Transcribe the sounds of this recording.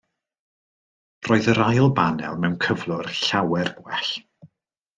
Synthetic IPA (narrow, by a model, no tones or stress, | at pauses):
roːɨðəɾajlˠbanɛ̰lˠmɛwnkʰəvlˠʊrɬawɛrbwɛɬ